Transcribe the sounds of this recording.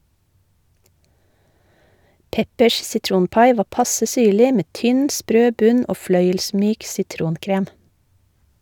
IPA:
ˈpɛpəʃ sɪˈtɾuːnˌpɑɪ ˈʋɑː ˈpɑsə ˈsyːɭɪ ˈmeː ˈtʏn ˈspɾøː ˈbʉn ˈoː ˈflœʏəlˌsmyːk sɪˈtɾuːnˌkɾeːm

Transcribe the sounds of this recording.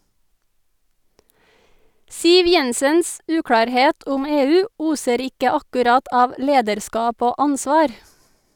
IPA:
ˈsiːʋ ˈjɛnsəns ˈʉːkɽɑːɾˌheːt ˈʊm ˈeːˌʉː ˈuːsəɾ ˈɪkə ɑkʉˈɾɑt ˈɑːʋ ˈleːdəɾˌskɑːp ˈoː ˈɑnsʋɑːɾ

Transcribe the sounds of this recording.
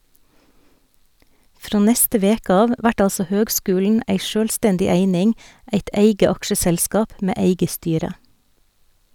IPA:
ˈfɾoː ˈnɛstə ˈʋeːkə ˈɑːʋ ˈʋæʈ ˈɑlsɔ ˈhøːɡˌskʉːln̩ ˈæɪ ˈʃøːlˌstɛndɪ ˈeɪnɪŋ ˈæɪt ˈeɪɡə ˈɑkʃəˌsɛlskɑːp ˈmeː ˈeɪɡə ˈstyːɾə

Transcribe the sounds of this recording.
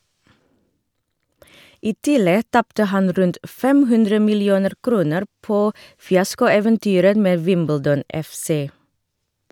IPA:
ˈiː ˈtɪlɛ ˈtɑptə ˈhɑn ˈɾʉnt ˈfɛm ˈhʉndɾə mɪlɪˈuːnəɾ ˈkɾuːnəɾ ˈpoː fɪˈɑskʊˌeːʋənˌtyːɾə ˈmeː ˈʋɪmbəldɔn ɛfˈseː

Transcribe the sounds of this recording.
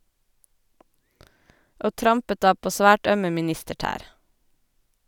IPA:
ˈʔoː ˈtɾɑmpət ˈdɑː ˈpoː ˈsʋæːʈ ˈœmə mɪˈnɪstəˌʈæːɾ

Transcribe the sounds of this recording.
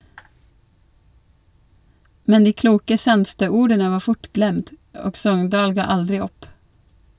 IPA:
ˈmɛn ˈdiː ˈkluːkə ˈsɑnstøː ˈuːɾdənə ˈʋɑː ˈfʊʈ ˈɡlɛmd ˈoːɡ ˈsɔŋndɑːl ˈɡɑː ˈɑldɾɪ ˈɔp

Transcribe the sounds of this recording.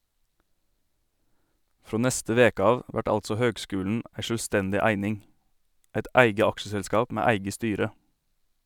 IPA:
ˈfɾoː ˈnɛstə ˈʋeːkə ˈɑːʋ ˈʋæʈ ˈɑltsɔ ˈhøːɡˌskʉːln̩ ˈʔæɪ ʃøːlˈstɛndɪ ˈæɪnɪŋ ˈɛt ˈʔæɪɡə ˈɑkʃəsɛlˌskɑːp ˈmæː ˈæɪɡə ˈstyːɾə

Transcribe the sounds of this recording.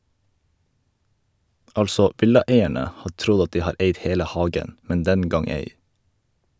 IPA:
ˈɑlsɔ ˈʔʋɪlɑˌeɪæɳə ˈhɑː ˈtɾʊɟ ˈɑt ˈdiː ˈhɑːɾ ˈeɪd ˈheːlə ˈhɑːɡən ˈmɛn ˈdɛn ˈɡɑŋ ˈeɪ

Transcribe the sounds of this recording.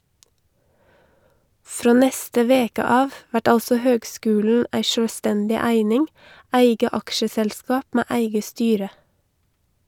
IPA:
ˈfɾoː ˈnɛstə ˈʋeːkə ˈɑːʋ ˈʋæʈ ˈɑlsə ˈhøːɡˌskʉːln̩ ˈæɪ ˈʃøːˌstɛndɪ ˈæɪnɪŋ ˈæɪɡə ˈɑkʃəsɛlˌskɑːp ˈmæː ˈæɪɡə ˈstyːɾə

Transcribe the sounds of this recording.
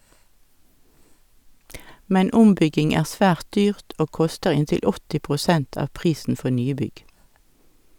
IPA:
ˈmɛn ˈʊmˌbʏɡɪŋ ˈæːʁ ˈsʋæːʁt ˈdyːʁt ˈoː ˈkʊstəʁ ˈɪntɪl ˈɔtɪ pʁʊˈsɛnt ˈɑːʋ ˈpʁiːsn̩ ˈfɔ ˈnyːˌbʏɡ

